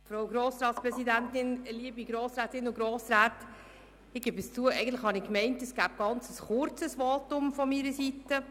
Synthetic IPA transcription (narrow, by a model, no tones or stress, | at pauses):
fɾoʊɡɾoːsɾɑːtspɾɛsidæntɪnliəbiɡɾoːsɾæːtɪnʊɡɾoːsɾæːt | ɪɡ̥ebəst͡suəʔɛɪɡən̩tlɪχhɑnɪkmɛɪntɛsɡ̥æːp̚ɡ̥ɑnt͡səsχʊɾt͡səsʋɑːtʊmfɔmiːɾəsitə